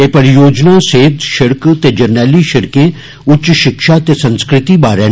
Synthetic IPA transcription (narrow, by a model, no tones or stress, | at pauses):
eːpəɾɪjoːd͡ʒnaːseːt̪ʃɪɽkt̪eːd͡ʒɐɾnɛːliʃɪɽkẽː | ʊtːʃʃɪkʃaːt̪eːsə̃nskɾɪt̪ibaːɾẽː